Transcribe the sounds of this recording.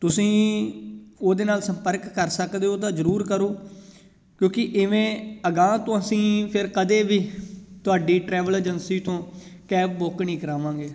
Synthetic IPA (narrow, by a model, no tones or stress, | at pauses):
t̪ʊsĩː | oːd̪eːnaːlsəmpəɾkːəɾsəkd̪eːoːt̪ãːzəɾuːɾkəɾoː | kjõːkɪʔɪʋẽːəɡãːt̪õːəsĩːpʰɪɾkəd̪eːʋiːt̪ʊaːɖiːʈɾɛːʋəleːd͡ʒənsiːt̪õːkɛːpboknĩːkəɾaːʋãːɡeː